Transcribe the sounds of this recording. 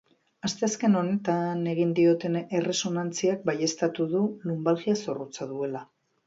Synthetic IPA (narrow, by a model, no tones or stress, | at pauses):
ast̪e̞aske̞no̞ne̞t̪ane̞ɣind̪io̞t̪e̞ne̞re̞so̞nant͡siak̚baje̞st̪at̪uðulumbalɣiaso̞rut͡saðue̞la